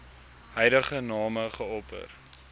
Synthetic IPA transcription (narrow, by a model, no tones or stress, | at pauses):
ɦɛjdəχənɑːməχəɔpə̰r